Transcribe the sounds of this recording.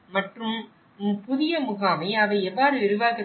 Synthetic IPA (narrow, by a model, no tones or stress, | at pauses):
mɐʈrɯm | pʊðɪjɐmʊɣaːmɐɪɐʋɐɪɛʋːaːɾɯʋɪɾɯʋaːkɪ